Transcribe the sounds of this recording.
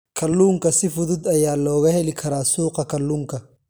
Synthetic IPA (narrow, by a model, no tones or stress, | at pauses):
kʰɐlːuːŋkɐsɪfʊðʊd̪ɐjaːlɔːɣɐhɛlɪkʰɐɾaːsuːqɐkʰɐlːuːŋkʰɐ